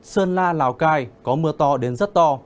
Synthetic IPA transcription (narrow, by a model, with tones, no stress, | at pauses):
səː˧nlaː˧laː˧˩wkaː˧jkɔ˨˦mɨ˧˩ət̪ɔ˧ɗe˨˦nzə˦˥t̚t̪ɔ˧